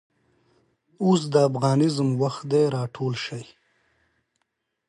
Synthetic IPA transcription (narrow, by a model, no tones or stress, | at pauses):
os̬d̪əafɣɑːnɪzmwaxt̪d̪eɾɑːʈʰoːlʃaj